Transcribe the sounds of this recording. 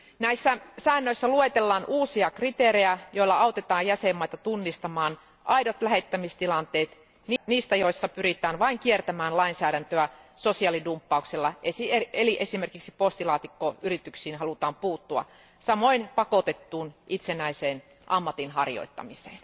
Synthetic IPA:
næisːæsæːnːøisːæluet̪elːɑːnʔuːsiɑkrit̪eːɾejæjoilːɑɑowt̪et̪ɑːjjæsemːɑit̪ɑt̪unːist̪ɑmɑːn | ʔɑidot̪læhet̪ːæmist̪ilɑnt̪eːt̪ | nniːst̪æjoisːɑpyɾit̪æːnʋɑiŋkiert̪æmæːnlɑinsæːɾænt̪øæsosiɑlidumpːɑukselːɑʔesieeliʔesimerkiksi̥post̪ilɑːt̪ikːoyrit̪yksiːnɦɑlut̪ɑːmpuːt̪ːuɑ̰ | sɑmoinpɑkot̪et̪ːuːnʔit̪senæiseːn | ʔɑ̰mːɑt̪inɦɑrjo̰it̪ːɑ̰mise̥̰ːn

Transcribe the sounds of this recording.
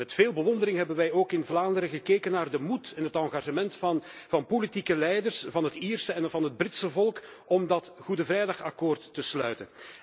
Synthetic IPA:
mɛtfeːlˠbəʋɔndəɾɪŋɦɛbənʋɛjoːkɪnvlaːndəɾəɣəkeːkənːaːrdəmutɛnɦətɑŋɣaʒəmɛntvɑnpolitikəlɛjdərsvɑnɦətiːrsəɛnvɑnɦəd̚brɪtsəvɔlˠk | ɔmdɑtɣudəvrɛjdɑxɑkoːrtːəslœ̰ɥtən

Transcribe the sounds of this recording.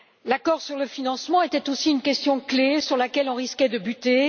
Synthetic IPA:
lakɔʁsyʁləfinɑ̃smɑ̃et̪ɛt̪osiynkʲɛst̪jɔ̃klesyʁlakʲɛlɔ̃ʁiskʲɛd̪əbyt̪e

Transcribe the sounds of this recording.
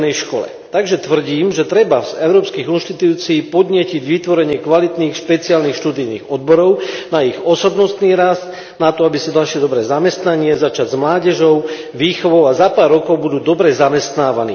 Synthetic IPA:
nɛjʃkɔlɛ̰t̪aɡʒɛt̪ʋr̩ɟiːmʒɛt̪ɾɛbaz̥ɛʊɾɔːpskiːɣunʃt̪it̪uːt͡siːpɔd̪ɲɪɛciɟʋit̪ʋɔɾɛɲɪɛkʋalit̪niːxʃpɛt͡siaːlniːxʃt̪ud̪ijniːɣɔd̪̚bɔɾɔʊnaiɣɔsɔbnɔst̪niːɾast̪ | nat̪ɔabisid̪alʃɛd̪ɔbɾɛːzamɛst̪naɲɪɛzat͡ʃaɟzmlaːɟɛʒɔʊ | ʋiːxɔʋɔʊazapaːɾːɔkɔʊbud̪uːd̪ɔbɾɛzamɛst̪naːʋanḭː

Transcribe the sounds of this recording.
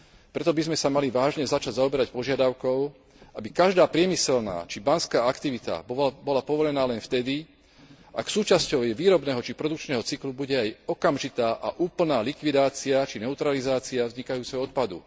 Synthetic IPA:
pɾɛt̪ɔbizmɛsamaliʋaːʒɲɛzat͡ʃaɟzaɔbɛɾacpɔʒɪad̪aʊkɔʊ | ʔabikaʒd̪aːpɾɪɛmisɛlna̰ːt͡ʃibanskaːakt̪iʋit̪a̰bɔlapɔʋɔʎɛnaːlɛnft̪ɛd̪i | ʔa̰ksuːt͡ʃascɔʊjɛʋiːɾɔbnɛːɦɔt͡ʃipɾɔd̪uk̚t͡ʃnɛːɦɔt͡siklubuɟɛajɔkamʒit̪aːʔaʔuːpl̩naːlikʋid̪aːt͡siat͡ʃinɛut̪ɾalizaːt͡siavzɲikajuːt͡sɛɦɔɔt̪̚pad̪ṵ

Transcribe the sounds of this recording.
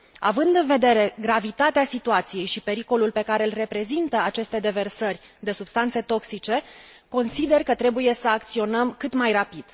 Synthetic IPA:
a̰vɨnd̪ɨnve̞d̪e̞ɾe̞ɡɾavit̪at̪easit̪uat̪sije̞jʃipe̞ɾiko̞lulpe̞kaɾe̞ɨlre̞pɾe̞zint̪əat͡ʃe̞st̪e̞d̪e̞ve̞rsərʲ | d̪e̞subst̪ant̪se̞t̪o̞ksit͡ʃe̞ko̞nsid̪e̞rkət̪ɾe̞buje̞səak̚t̪sio̞nəmkɨt̪majrapid̪̥

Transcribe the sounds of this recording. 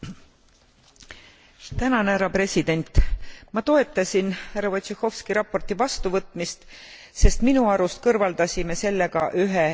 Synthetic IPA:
t̪ænɑneæɾɑpre̞sid̪̥e̞nʲt̪ːˑmɑt̪o̞e̞t̪ˑːɑsʲinhærːɑvot̪ɕehˑo̞fskiɾɑpːo̞rt̪ivɑst̪uvɤt̪ˑmist̪ | se̞st̪minuɑɾust̪kɤrvɑld̪̥ɑsʲime̞se̞lːe̞ɡ̥ɑʔyɦe

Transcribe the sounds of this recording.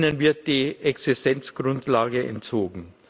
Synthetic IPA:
nənvɪɐt̚d̥iːʔɛksɪstɛnt͡sɡ̥ʁʊntlaːɡəʔɛ̰ntt͡soːɡŋ̩

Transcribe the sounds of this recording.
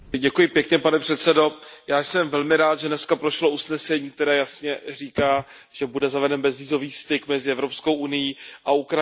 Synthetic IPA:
ɟɛkujɪpjɛkɲɛpanɛpr̥ɛt̪sɛdo̞jaːjsɛmvɛlmɪɾaːt̪ʒɛdnɛskapɾoʃlousnɛsɛɲiːk̚t̪ɛɾɛːjasɲɛr̝iːkaː | ʒ̥ɛbudɛzavɛdɛnbɛzviːzo̞viːst̪ɪkmɛzɪɛvɾopskowʔunɪjiʔaukɾa

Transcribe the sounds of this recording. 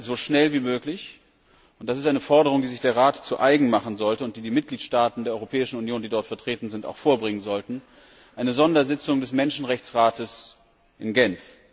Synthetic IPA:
zoːʃnɛlviːmøːklɪç | ʔʊnt̚d̥as̬ɪstʔaɪnəfɔɐɾəʁ̞ʊŋdiːzɪçd̥eːɐʁaːtt͡suʔaɪɡŋ̩maχn̩zɔltəʊnt̚d̥iːdiːmɪt̚ɡ̥liːtʃtaːtn̩deːɐʔɔʁopʰɛːɪʃn̩unjoːndiːdɔɐtfɛɐtʁ̥eːtn̩zɪntaʊxfoːɐbʁɪŋənzɔltn̩ | ʔaɪnəzɔndɐzɪt͡sʊŋdɛsmɛnʃn̩ʁɛçt͡sʁaːtəs | ʔɪnɡɛnf

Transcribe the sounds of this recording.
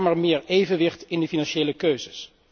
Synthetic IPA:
məɹmɪːɹejvənʋɪχtɪndəfinɑnʃejləkøɥzəs

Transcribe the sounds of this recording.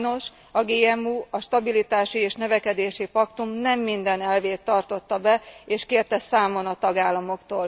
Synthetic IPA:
no̞ʃ | ɒɡeːɛmuːɒʃt̪ɒbilit̪aːʃieːʃnø̞vɛkɛd̪eːʃipɒkt̪umnɛmːind̪ɛnɛlveːt̪ːɒrt̪o̞t̪ːɒbɛeːʃkeːrt̪ɛsaːmo̞nɒt̪ɒɡaːlːɒmo̞kt̪oːl

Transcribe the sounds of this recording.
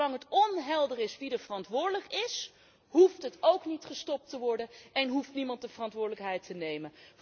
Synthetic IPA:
ɑŋɦətɔnɦɛlˠdərɪsʋidəɹvərɑntʋʊːɹdələkɪs | huftɦətowknitχəstɔp̚təʋɔɹdənʔɛnɦuftnimɑnt̚dəvərɑntʋʊːɹdələkɦɛjtənejmən

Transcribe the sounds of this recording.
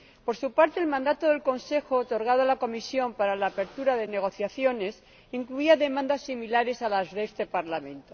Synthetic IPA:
po̞ɾsupaɾt̪e̞ːlmãnd̪at̪oðelko̞nse̞xoːt̪o̞ɾɣ̞að̞oalako̞misjo̞mpaɾalaːpe̞ɾt̪uɾaðe̞ne̞ɣ̞o̞θjaθjo̞ne̞s | iŋkluiaðe̞mãnd̪asːimilaɾe̞salazðest̪e̞paɾlamẽ̞nt̪o

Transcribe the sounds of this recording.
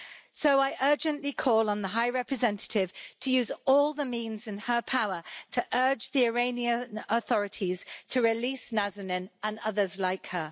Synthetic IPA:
soʊaɪʔɜːˑd͡ʒə̃nʔlikʰɔːlə̃nðəɦaɪɹɛpɹɪzɛ̃ntʰə̥tʰɪv̥tʰəjʉːzɔːlˠðəmĩːnzɪ̃nəpʰaʊətʰəʔɜːd͡ʒðiəɹẽɪ̃niə̃nəθɒɹɪtʰiz̥tʰəɹɪliˑsnazənɪ̃nə̃nʌðəzlaɪkhə

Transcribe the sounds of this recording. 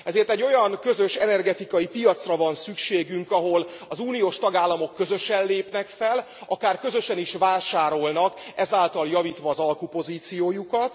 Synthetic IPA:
ɛzeːrt̪ɛɟːo̞jɒŋkø̞zø̞ʃɛnɛrɡɛt̪ikɒjipijɒt̪srɒvɒnsykʃeːɡyŋkɒɦo̞lɒzuːnijoːʃt̪ɒɡaːlːɒmo̞kːø̞zø̞ʃɛnleːpnɛkfɛl | ɒkaːrkø̞zø̞ʃɛniʃʋaːʃaːɾo̞lnɒkɛzaːlt̪ɒljɒviːt̪ʋɒːzɒlkupo̞ziːt̪sijoːjukɒt̪

